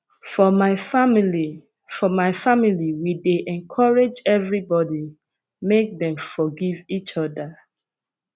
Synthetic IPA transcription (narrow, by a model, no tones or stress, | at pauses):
fɔmaɪfamili | fɔmaɪfamiliwideʔɛ̃nkʰɔɹed͡ʒɛvɹibɔdi | mek̚ðɛ̃mfɔɡivit͡ʃɔdə